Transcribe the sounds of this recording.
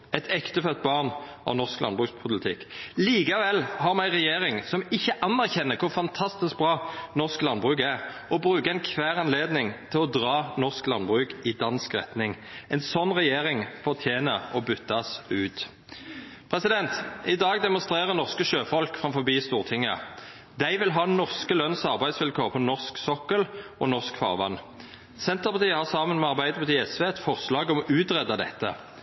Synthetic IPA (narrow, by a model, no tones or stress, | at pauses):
ɛt̪ʰɛkt̪əfœt̪̚ːbɑːʁnʔɑ̰ʋnɔʁsklɑ̰nbʁʉkspʰʊlɪt̪ʰɪkliːkɑʋɛlːhɑɾmæɪʁɛjeːʁɪŋsɔmɪçːəʔɑnːæʁçɛnːəkʰʊʁfɑnt̪ʰɑst̪ɪsk̚bʁɑːnɔʁsklɑnbʁʉːkæʁ | ɔbɾʉːkəɛnkʰʋæːʁɑnleːd̪nɪŋt̪ʰɪlɔd̪ʁɑːnɔʁsklɑnbʁʉːkɪd̪ɑnskʁɛ̰t̪nɪŋ | ɛnsɔnːʁɛjeːʁɪŋfɔt̪ʰjeːnəɔbʏt̪ːɑsʉːt̪ | pʰʁɛsɪd̪ɛnt̪ɪd̪ɑːɡd̪ɛmɔnst̪ʁeːʁəʁnɔʁskəʃøːfɔlkfʁɑmfɔbiːst̪uːʁt̪ʰɪŋːə | d̪æɪʋɪlɦɑːnɔʁskəlœnsɑʁbæɪd̪sʋɪlkʰoːʁpʰɔnɔʁsksɔkːəlɔnɔʁskfɑ̰ːʁʋɑ̰nː | sɛnt̪əʁpɑt̪iːəhɑʁsɑːmənmɛɑʁbæɪd̪əpʰɑt̪iːɛsʋeːɛt̪fɔʁslɑːɡɔmɔʔʉːt̪ʁɛd̪ɑd̪ɛ̰t̪ːə̰